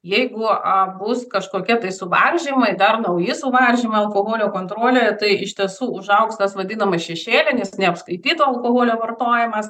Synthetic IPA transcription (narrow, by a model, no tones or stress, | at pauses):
jɛɪɡʊɐbʊskɐʃkoːkʲɛt̪ɐɪsʊʋɐrʲʒʲimɐɪd̪ɐrnɐʊjɪsʊʋɐlʲʒʲimɐɐlˠkoːɦoːlʲoːkoːnt̪ɾoːlʲoːjɛt̪ɐɪɪʃʲt̪ʲiɛsuːʊʒɐʊkst̪ɐsʋɐd̪ʲiːnɐmɐʃʲɛʃʲeːlʲɪnʲɛsnʲɛɐpskɐɪt̪ʲiːt̪oːɐlˠkoːɦoːlʲoːʋɐrt̪oːjɪmɐs